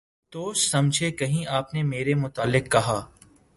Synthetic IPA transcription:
t̪oːʃsɐmd͡ʒʱekɐɦĩʔaːpnemeːɾemʊt̪aːlːɪkːɐɦaː

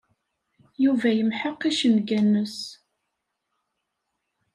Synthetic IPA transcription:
juvæjəmħəqːiʃənɡænːəs

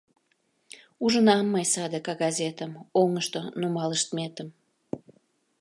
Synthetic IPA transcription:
uʒənɑmːəjsɑd̪əkɑɡɑzʲet̪əmoŋəʃt̪onumɑləʃt̪met̪əm

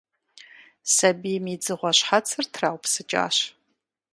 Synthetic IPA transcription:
sɐbimid͡zɨʁʷɔɕħat͡sʰɨrtʰraːwpʰsɨt͡ʃʼa̰ːɕ

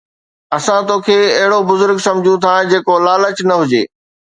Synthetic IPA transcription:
ɐsãt̪oːkʰeːɐɦɪɽobʊzʊɾɡsɐ̃md͡ʑʱũt̪ʰãd͡ʑeːkolaːlət͡ɕnɐɦʊd͡ʑḛː

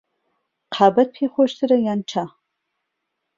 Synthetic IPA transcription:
qʰaːbɐt̚pʰeːχʷɔʃtʰɨɾɐjaːnt͡ʃʰaː

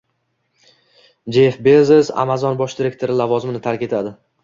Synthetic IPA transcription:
d͡ʒefbe̞zɪza̰mazɒnbɒʃd̪ɪɾe̞kt̪ʰoɾɪlavɒzɪmɪnɪt̪ʰaɾkʲe̞t̪ʰad̪ɪ

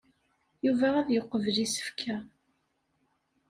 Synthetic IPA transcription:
juvææðjoqːəvəlisə̥fkʰæ

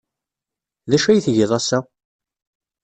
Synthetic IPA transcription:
ðæʃæjθʝəðˤæsæ

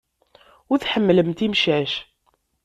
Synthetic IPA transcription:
ʊɾθħəmːləmt̪imʃæʃ

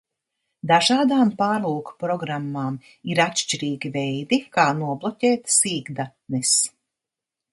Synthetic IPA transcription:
d̪aʒaːd̪aːmpaːɾluːku̥pɾɔɡɾamːaːm | iɾat̪ʃt͡ʃiɾiːɡʲivɛjd̪ikaːnuɔblˠɔtʲeːt̪siːɡd̪a | nɛs

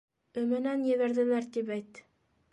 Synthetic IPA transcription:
ɵ̆mɘnænjeβæɾðɘ̆læɾd̪ipæjt̪ː

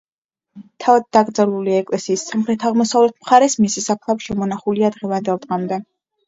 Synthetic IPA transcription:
t̪ʰavad̪̚d̪aɡɾd̪zɛluliaɛkʼlɛsiːsːamχɾɛt̪ʰaʁmɔsavlɛt̪ʰmχaɾɛsmisisapʰlˠabʃɛmɔnaχuliad̪ʁɛvand̪ɛlˠt̪ʼʁamd̪ɛ

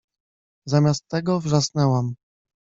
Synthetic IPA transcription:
zamʲast̪ːɛɡɔvʐasnɛwam

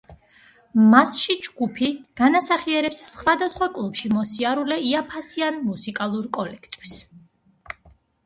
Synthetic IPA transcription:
masʃid͡ʒɡupʰiɡ̥anasaχiɛɾɛpsːχwad̪asχwakʼlˠupʃimɔsiaɾulɛiapʰasianmusikʼalˠuɾkʼɔlɛkʰt̪ʼi̥s

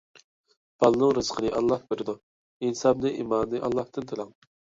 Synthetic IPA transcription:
b̥ɑlˠɨnɨŋɾɨz̥qʰənɨʔɑlˠːɑhbɪɾɪd̪u | insɑbnɨʔḭmɑːnnɨʔɑ̰lˠːɑht̪ɨnt̪ʰɨlˠɑŋ

